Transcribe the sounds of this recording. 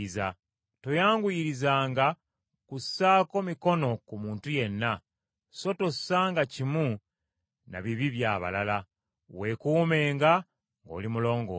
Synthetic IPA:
iza | tojaːŋɡujiɾizaːŋɡa | kusaːko̞miko̞no̞kumuːntuje̞nːa | so̞tosaːŋɡacimu | na̰βiβiβjaːβa̰lala | we̞kuːme̞ːŋɡa | ŋɡo̞̰limulo̞ːŋɡo̰

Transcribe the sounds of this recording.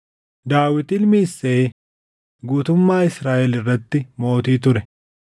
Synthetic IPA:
d̪aːwɪt̪ɪlmiːsːeː | ɡuːt̪ʊmːaːɪsɾaːʔɛlɪrːɐt̪ːɪmo̞ːt̪iːt̪ʊɾɛ

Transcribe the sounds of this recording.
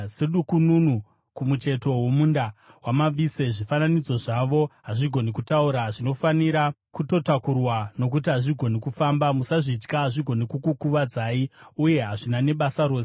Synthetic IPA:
seɗukununu | kumut͡ʃe̞to̞womundawamaise̞ʐifananid͡zo̞ʐaʋo̞ɦaʐiɡʱo̞nikutauɾaʐino̞faniɾa | kuto̞takurwano̞k̬ut̬iɦaʐiɡʱo̞nikufambamusaʐit͡ʃkaɦaʐiɡʱo̞nikukukuʋad͡zaiuje̞ɦaʐinane̞ɓasaɾoːse

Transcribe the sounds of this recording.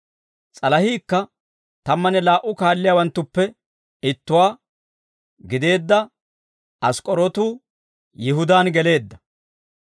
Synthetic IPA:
t͡sʼɐlɐhiːkːɐ | t̪ɐmːɐnɛlaːʔʊkaːlːɪjaːwɐnt̪ːʊpːɛ | ɪt̪ːʊwaː | ɡɪd̪e̞ːd̪ːɐ | ɐskʼɔɾɔt̪uː | jɪɦʊd̪aːnɡɛle̞ːd̪ːɐ̥

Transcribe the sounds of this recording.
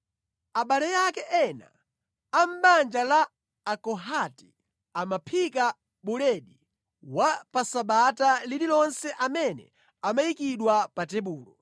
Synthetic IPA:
aɓalɛjakɛʔɛna̰ː | m̩ɓand͡ʒalaː | kɔɦati | amapʰika | ɓulɛɗi | wapasaɓatalililɔnsɛʔamɛnɛ̰ | amajikiɗwapatɛɓuːlɔ

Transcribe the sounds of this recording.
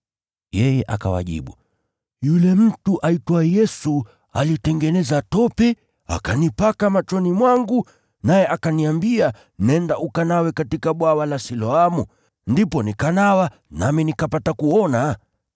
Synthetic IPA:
jɛjɛʔa̰ka̰wa̰ʄḭɓṵ | julɛm̩tuʔaitwajɛsu | a̰litɛŋɡɛnɛzatɔpɛ | a̰kanipakamat͡ʃɔnimwaŋɡu | najɛʔakaniambia | nɛndaʔukanawɛkatikaɓwawalasilɔamu | ndipɔnikanawa | naminikapatakuɔna

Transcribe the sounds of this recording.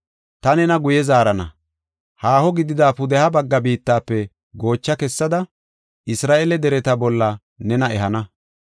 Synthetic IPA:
t̪ɐnɛnɐɡʊjɛzaːɾɐnɐ̰ | haːhɔɡɪd̪ɪd̪aːpʊd̪ɛhɐbɐɡːɐbiːt̪ːaːpːɛ | ɡo̞ːt͡ʃːɐkɛsːɐd̪ɐ | ʔɪsɾaːʔɛlɛd̪ɛɾɛt̪ɐbɔlːɐ | nɛnɐʔɛɦɐnɐ

